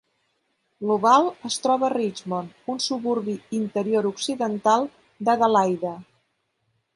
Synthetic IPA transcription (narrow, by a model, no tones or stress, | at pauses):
luβalˠəst̪ɾɔβərid͡ʒmon | unsuβuɾβiint̪əɾioɾuksiðənt̪alˠ | d̪əɣəlajðə